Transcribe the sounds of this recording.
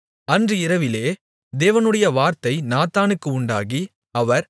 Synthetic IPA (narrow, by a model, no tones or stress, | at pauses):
ɐndrɯɪɾɐʋɪleː | d̪eːʋɐnɯɽɐjɐʋaːɾt̪ɐɪnaːt̪aːnɯkːɯʊɳɖa̰ːɣi | ɐʋɐɾ